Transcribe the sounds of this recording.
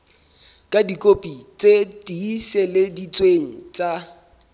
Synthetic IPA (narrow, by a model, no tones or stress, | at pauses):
kʼadikʼopʼit͡sʼetʼiːsɛledit͡sʼweŋ̩t͡sʼa